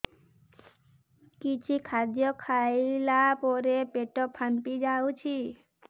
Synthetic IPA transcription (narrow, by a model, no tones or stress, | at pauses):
kit͡ʃʰikʰad̪jɔkʰailapɔɾepeʈɔpʰənpid͡ʒaut͡ʃʰi